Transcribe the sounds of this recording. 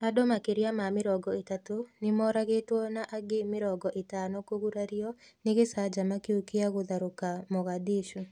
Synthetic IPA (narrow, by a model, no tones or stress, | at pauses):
adomakeɾjamamɪɾɔɡɔetatonɪmɔɾaɣetwɔnaʔaɡemɪɾɔɡɔʔɪtanɔkoɣuɾaɾjɔnɪɣesad͡ʒamakeukiaɣoðaɾokamɔɣadiʃu